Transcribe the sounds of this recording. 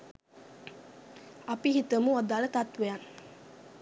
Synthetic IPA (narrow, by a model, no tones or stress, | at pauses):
ɐpiɦit̪əmuɐd̪aːlət̪at̪ʋejan